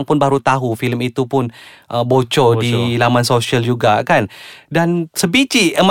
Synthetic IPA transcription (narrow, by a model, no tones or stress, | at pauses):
ŋpʊnbaɾut̪aɦufiləmit̪upʊnʔəbot͡ʃɔdilamansosiəld͡ʒuɡakandansəbit͡ʃiʔəmə